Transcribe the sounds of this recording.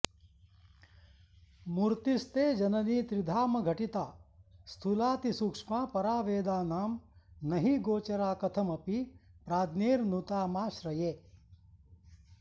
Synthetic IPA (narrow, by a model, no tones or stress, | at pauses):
muɾt̪ist̪eːd͡ʒɐnɐniːt̪ɾid̪ʱaːmɐɡʱɐʈit̪aːst̪ʰulaːt̪isukʂmaːpɐɾaːʋeːd̪aːnaːmnɐɦiɡoːt͡ʃɐɾaːkɐt̪ʰɐmɐpipɾaːd̪neːɾnut̪aːmaːʃɾɐjeː